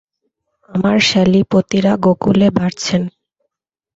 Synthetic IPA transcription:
amaɾʃɛlipot̪iɾaɡokulebaɾt͡ɕʰen

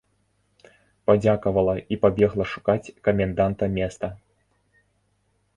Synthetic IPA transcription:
pad͡zʲakɐvɐlˠɐipabʲɛɣlˠɐʂu̥kat͡sʲkɐmʲɛnd̪ant̪ɐmʲɛst̪ɐ

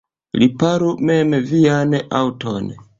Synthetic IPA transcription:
lipaɾumemviana̰wton

